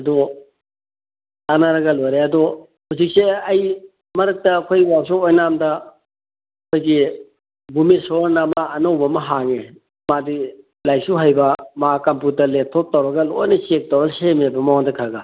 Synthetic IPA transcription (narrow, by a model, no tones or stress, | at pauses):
ɐdu | tanaɾɐɡɐlojɾeɐdu | huwsik̚seɐj | mɐɾɐk̚tɐːkʰojwasuojnamdɐ | ɐkʰojɡi | bumisoɾnɐmaːnɐwbɐmɐɦaŋe | madi | lajk̚suɦajbɐmakɐmputɐletʰːok̚tɐwɾɐɡɐlojnɐsek̚tɐwɾɐsemebɐmawaŋdɐkʰaɡɐ